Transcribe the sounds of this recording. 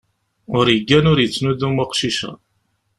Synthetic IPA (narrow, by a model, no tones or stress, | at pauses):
ʊɾjəɡːænʊɾjət͡sːnuðumaqʃiʃæ̰